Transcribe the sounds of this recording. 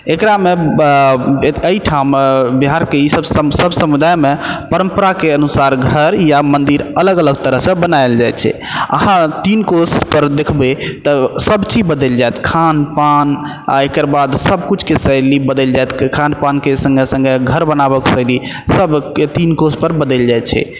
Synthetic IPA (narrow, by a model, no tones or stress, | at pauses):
ekɾame | əiʈʰambiɦaɾkeisəbssəbsəmud̪ajmepəɾəmpəɾakeənusaɾɡʱəɾjamənd̪iɾələɡələɡt̪əɾəɦsə̃bənaɪld͡ʒajt̪̚t͡ʃʰɛ̰ | ə̰hãt̪inkospəɾd̪ekʰbet̪ɔsəbt͡ʃibəd̪əld͡ʒajt̪kʰanpan | aekəɾbad̪səbkut͡ʃʰkesəjlibəd̪əld͡ʒajt̪kʰanpankesə̃ŋɡesə̃ŋɡeɡʱəɾbənabəksəli | səbt̪inkospəɾbəd̪əld͡ʒaj̪t͡ʃʰɛ̰